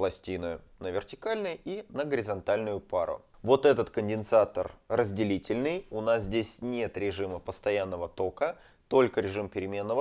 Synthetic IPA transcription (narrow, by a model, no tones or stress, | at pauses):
plˠɐsʲtʲinʊjʊnəvʲɪrtʲɪ̥kalʲnɨjinəɡəɾʲɪzɐnt̪alʲnʊjʊpaɾʊ̰vo̞t̪ɛt̪ət̪kənʲdʲɪnsat̪ərːəzʲdʲɪlʲitʲɪlʲnɨjʊnaszʲdʲesʲnʲe̞t̪ɾʲɪʐɨməpəst̪ɐjanːəvət̪o̞kə | t̪o̞lʲkəɾʲɪʐɨmpʲɪɾʲɪmʲe̞nːəvə